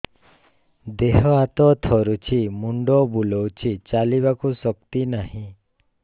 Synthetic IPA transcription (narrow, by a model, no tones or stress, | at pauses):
d̪eɦɔat̪ɔt̪ʰɔɾut͡ʃʰimuɳɖɔbulɔwt͡ʃʰit͡ʃaliβakusɔkt̪inahĩ